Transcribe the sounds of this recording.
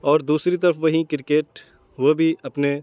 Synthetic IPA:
ɔːɾd̪uːsɾit̪̬ɐɾəfʋɐɦĩkɪɾkeːʈ | ʋobʱiɐpne

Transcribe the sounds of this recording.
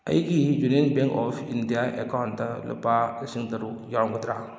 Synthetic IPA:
a̰jiɡid͡ʒunenbɛ̃ŋkɔfindiaʔɛ̰kaʊntalə̰pasiŋtəɾujaʊŋɡʊtɾa

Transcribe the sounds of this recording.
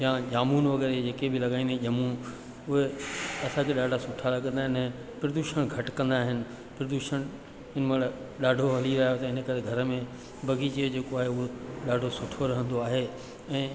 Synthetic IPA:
jãʄaːmuːnʋɐɡɛːɾed͡ʑeːkebʱɪlɐɡaːĩːnd̪eʄɐmũn | ʊɦeɐsãkʰeɗaːɖʱasʊʈʰaɾɐɡə̃nd̪aːɦɪnɛ̃ː | pɾɐd̪uːʃəɽ̃ɡʱɐʈkɐ̃nd̪aːɦɪnɪ̆ | pɾɐd̪uːʃəɽ̃ | ɪnəmɐɽ | ɗaːɖʱoɦɐliɾaɦjot̪ɐɪnəkɐɾeɡʱɐɾəmẽ | bɐɡʱit͡ɕed͡ʑeːkoaːɦeʊɦoɗaːɖʱosʊʈʰoɾɐɦə̃nd̪oaːɦe | ɛ̃ː

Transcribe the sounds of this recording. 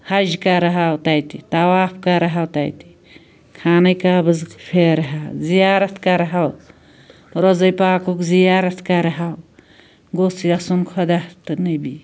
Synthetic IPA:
hɐʒkɐɾɦawt̪ajt̪it̪ɐwaːpʰkɐɾɦawt̪a̰jt̪i̥ | kʰaːnɐjkaːbɨzpʰeɾɦawzijaːɾɐt̪ʰkɐɾɦaw | ɾozɐjpaːkukzijaːɾɐt̪ʰkɐɾɦaw | ɡosjɐsunkʰɐd̪at̪ɨnɐbi

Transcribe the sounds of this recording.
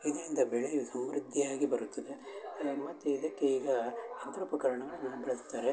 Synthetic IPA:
id̪ɐɾind̪ɐbɛɭejusɐmɾid̪ʱːiaːɡibɐɾut̪ːɐd̪emɐt̪ːeid̪ɐkːeiːɡɐant̪ɾɐpɐkɐɾɐɳɐɡɐɭunaːʋubɐɭɐst̪ːaːɾe

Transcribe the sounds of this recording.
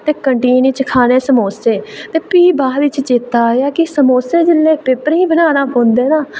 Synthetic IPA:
t̪eːkəɳʈiːniːt͡ʃəkʰaːneːsəmoːseːt̪eːpiːbaːʋɪt͡ʃt͡ʃɪt̪ːaːjaːkɪsəmoːseːd͡ʒɪlːeːpɪpəɾĩːbənaːnaːpõːnd̪eːnaː

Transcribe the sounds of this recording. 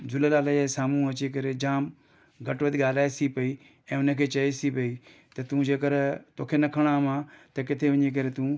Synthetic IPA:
d͡ʑʊləlaːlaasaːmũɐt͡ɕik̬ɐɾed͡ʑaːm | ɡʱɐʈʋəd̪ɡaːl̤aːesipɐi | ɛ̃ːʊnə̆kʰeːt͡ɕɐisipɐi | t̪ɐt̪ũd͡ʑeːkɐɾt̪oːkʰenɐkʰəɽ̃amãt̪ɐkɪt̪ʰeʋɐɲek̬ɐɾet̪ũː

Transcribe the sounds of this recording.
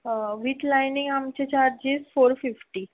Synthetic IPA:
ʋiʈlajniŋɡamt͡ɕet͡ɕaɾd͡ʑiːsfoɾfifʈi

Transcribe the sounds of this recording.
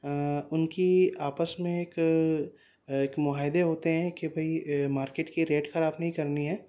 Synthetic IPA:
ʊnkiaːpəsmẽek | ekmʊaːɦɪd̪eɦoːt̪eɦɛ̃kebʱɐimaːɾkeːʈkiɾeːʈxɐɾaːbnɐɦĩkɐɾniɦɛ̃ː

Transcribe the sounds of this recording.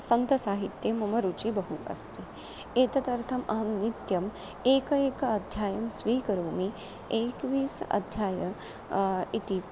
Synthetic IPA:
sɐnt̪ɐsaːɦit̪jemɐmɐɾut͡ʃibɐɦuʔɐ̰st̪eː | eːt̪ɐt̪ɐɾt̪ʰɐmɐɦɐmnit̪jɐm | eːkɐeːkɐɐd̪ʱjaːjɐmsʋiːkɐɾoːmi | eːkʋiːsɐ̰d̪ʱjaːjɐ | it̪i

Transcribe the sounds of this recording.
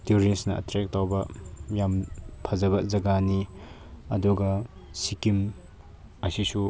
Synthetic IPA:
tuɾisnɐɐ̰tɾek̚tawbɐjampʰɐzɐβɐzɐɡani | ɐduɡɐsikim | ɐsisu

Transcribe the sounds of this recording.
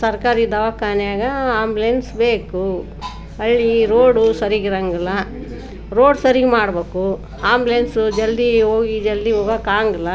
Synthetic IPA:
sɐɾkaːɾid̪ɐʋakaːnjaːɡɐaːmblensbeːku | ɐɭːiɾoːɽusɐɾiɡiɾɐŋɡɐlːɐ | ɾoːɖsɐɾiɡmaːɽbeːku | aːmblensud͡ʒɐld̪iɦoːɡid͡ʒɐld̪iɦoːɡakaːŋɡɐlːɐ

